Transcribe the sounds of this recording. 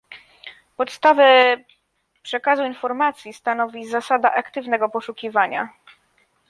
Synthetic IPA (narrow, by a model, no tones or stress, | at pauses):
pɔt̪st̪avɛ | pʂɛkazuinfɔɾmat̪sʲjist̪anɔvʲizasad̪aʔakt̪ɘvnɛɡɔpɔʂukʲivaɲa̰